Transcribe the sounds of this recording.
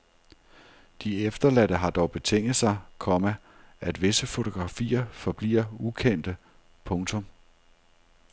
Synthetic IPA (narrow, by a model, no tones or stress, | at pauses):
d̥iefd̥ɐlædəɦɑ̈d̥ɒʊb̥e̝t͡sʰeŋ̰ð̩ˠsɑ̈ɪkʰɒ̽mæ | ʔæd̥ʋe̝səfo̝t͡sʰo̝ɡ̥ʁɑ̈fḭːɐfɒ̽b̥lḭːɐukʰen̰d̥ə | pʰɔ̽ŋt͡sʰɔ̽m